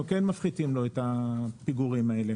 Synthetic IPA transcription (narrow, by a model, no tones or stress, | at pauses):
ukenmafχit̪imlo̞et̪apiɡuʁimae̞le